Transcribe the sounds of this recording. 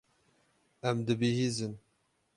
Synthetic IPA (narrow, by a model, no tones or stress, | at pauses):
æmd̪ɨbiɦiːzɨn